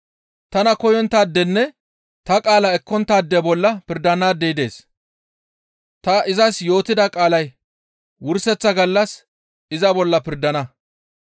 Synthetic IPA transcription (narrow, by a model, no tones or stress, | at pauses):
t̪ɐnɐkɔjɔnt̪aːd̪ːɛnːɛ | t̪ɐkʼaːlɐɛkːɔnt̪ːaːd̪ːɛbɔlːɐpɪɾd̪ɐnaːd̪ːɛɪd̪e̞̰ːs | t̪ɐʔɪzɐsjo̞ːt̪ɪd̪ɐkʼaːlɐj | wʊɾsɛt͡sːɐɡɐlːɐs | ɪzɐbɔlːɐpɪɾd̪ɐnɐ